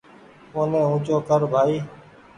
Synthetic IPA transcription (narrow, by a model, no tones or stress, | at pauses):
oːnẽːũːt͡ʃoːkəɾbʱaːiː